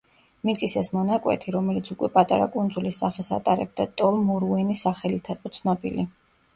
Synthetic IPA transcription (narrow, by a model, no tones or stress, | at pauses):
mit̪sʼisɛsmɔnakʼwɛ̰t̪ʰiɾɔmɛlit̪sʰukʼwɛpʼat̪ʼaɾa̰kʼund̪zulisːaχɛsa̰t̪ʼaɾɛb̚d̪at̪ʼɔlˠmuɾuɛnisaχɛlit̪ʰaɛqʼɔt̪sʰnɔbḭli